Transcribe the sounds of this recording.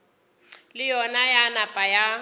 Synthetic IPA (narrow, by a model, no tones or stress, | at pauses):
lɪjɔnajanapʼaja